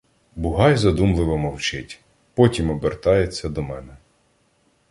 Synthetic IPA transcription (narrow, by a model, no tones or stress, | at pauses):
bʊɦɑjzɐd̪umlˠɪʋɔmɔwt͡ʃɪtʲ | pɔtʲimɔbert̪ɑjet͡sʲːɐd̪ɔmɛnɛ